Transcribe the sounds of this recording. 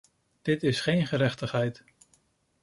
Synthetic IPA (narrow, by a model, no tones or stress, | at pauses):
d̥ɪtɪsχejnχəɾɛχtəχɦɛjt